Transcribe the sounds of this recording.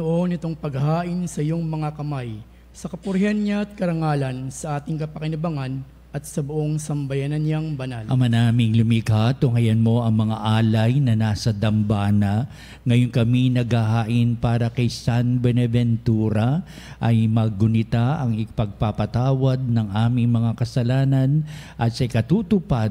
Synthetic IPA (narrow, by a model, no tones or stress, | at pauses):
noʔo̞nɪt̪o̞ŋpɐɡhaːʔɪnsɐɪjo̞ŋmɐŋakɐmaj | sɐkɐpʊɾhanɲaɐt̪̚kɐɾɐŋaːlɐnsɐʔaːt̪ɪŋkɐpɐkɪnɐbaŋan | ʔɐt̪̚sɐboʔo̞ŋsɐmbɐjanɐnɲaŋbɐnalʔɐmanaːmɪŋlʊmikat̪oŋɐjɐnmo̞ʔɐŋmɐŋaʔaːlɐjnɐnaːsɐd̪ɐmbaːnɐ | ŋɐjonkɐminɐɡhahaːʔɪnpaːɾɐkɐjsanbɛnɛvɛnt̪uːɾɐ | ʔɐjmɐɡʊnɪt̪aʔɐŋɪpɐɡ̚papɐt̪aːwɐd̪̚nɐŋʔaːmɪŋmɐŋakɐsɐlaːnɐn | ʔɐt̪sɐʔɪkɐt̪uːt̪ʊpad̪̚